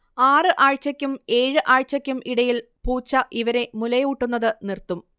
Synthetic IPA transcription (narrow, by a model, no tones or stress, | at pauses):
aːrɨʔaːɻt͡ɕɐkʲːume̞ːɻɨʔaːɻt͡ɕɐkʲːumʔiɽɐjil | puːt͡ɕːɐʔiʋɐɾe̞mulɐjuːʈːunːɐðɨnirt̪ːum